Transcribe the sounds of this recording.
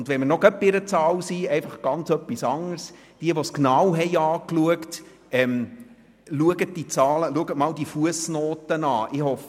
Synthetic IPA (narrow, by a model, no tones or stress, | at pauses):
ʊndʋɛmənɔɡ̥œpːɪɾət͡sɑːlsiːɛɪfɑχɡ̥ɑnt͡sœpːisɑŋəɾs | d̥iəʋɔsknɑwɦɛɪɑːkluəkt | ɛm | luəɡət̚d̥it͡sɑːləluəɡətmɑwdifuəsnoːtənɑːʔɪhɔf